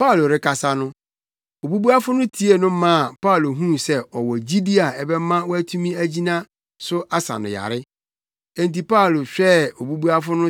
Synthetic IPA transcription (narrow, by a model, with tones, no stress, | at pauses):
pa˦˨lo˨ɾɪ˦kʰa˨sa˦nʊ̃˦ | o˨bu˦bu˦a˦fʊ˦nʊ̃˦tʰi˦e˨nʊ̃˦mã˦˨pa˦˨lo˨ɦũ˦sɛ˦ɔ˨wɔ˨d͡ʑi˦di˦a˨ɛ˨bɛ˦mã˦wɔ˦æ˦tʰu˦mĩ˦æ˦d͡ʑi˦nã˦ | sʊ˦ʔa˦sã̰˨nʊ̰̃˨ja̰˨ɾɪ˦ | ɛ̃˨n˨ti˨pa˦˨lo˨ɕᶣɛ˦o˨bu˦bu˦a˦fʊ˦nʊ̃˦